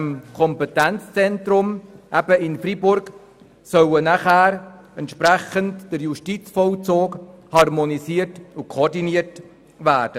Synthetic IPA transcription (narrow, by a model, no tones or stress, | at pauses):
mkʰɔmpɛtɛnt͡st͡sɛntɾʊmʔæb̥əɪnfɾibʊɾɡ | sœwənaχæːɾ | ɛntʃpɾɛχəntd̥əɾjuʃtit͡sfɔlt͡soːkhɑrmonisiːətʊkʰooːɾdiniət | væːd̥ə